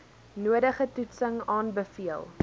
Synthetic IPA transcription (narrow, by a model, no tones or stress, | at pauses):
nuəɾəχətutsəŋɑːnbəfiəlˠ